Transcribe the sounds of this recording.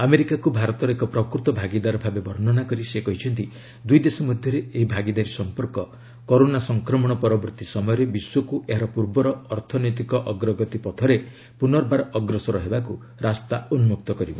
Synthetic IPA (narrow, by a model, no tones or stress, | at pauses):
ameɾikakubʱaɾɔt̪ɔɾekɔpɾɔkɾut̪ɔbʱaɡid̪aɾɔbʱabebɔɾnɔnakɔɾisekɔɦit͡ʃʰɔnt̪i | d̪ujd̪esɔmɔd̪ʱjɔɾeeɦibʱaɡid̪aɾisɔmpɔɾkɔ | kɔɾonasɔŋkɾɔmɔɽ̃ɔpɔɾɔbɔɾt̪isɔmɔjɔɾebiswɔkuʔeɦaɾɔpuɾbɔɾɔːɾt̪ʰɔnɔjt̪̬ikɔʔɔɡɾɔɡɔt̪ipɔt̪ʰɔɾe | punɔɾbaɾɔɡɾɔsɔɾɔɦebaku | ɾast̪aunmuk̚t̪ɔkɔɾibɔ